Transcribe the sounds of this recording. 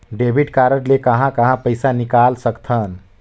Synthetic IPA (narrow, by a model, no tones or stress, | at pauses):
ɖebʱiɖkaɾəʈlekəɦãkəɦãpəjsanikalsəkt̪ʰən